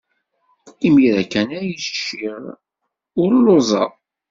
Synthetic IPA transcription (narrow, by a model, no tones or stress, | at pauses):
imiɾækːænæjisʃːiʁ | ʊɾlozˤɑ